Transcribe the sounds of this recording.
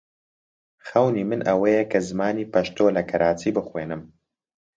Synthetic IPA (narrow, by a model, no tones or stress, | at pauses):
xɐwnimɨnʔɐwɐjɛkʰɐzɨmaːniːpɐʃt̪oːlɐkʰɐɾʔaːt͡siːbɨxweːnɨm